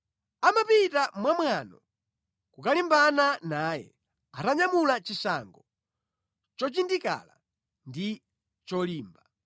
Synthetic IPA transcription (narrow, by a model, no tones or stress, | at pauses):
amapitamwamwanɔ | kukalimbananaːjɛ̰ | ataɲamulat͡ʃisaŋɡɔ | t͡ʃɔt͡ʃindika̰la | ndi | t͡ʃɔliːmba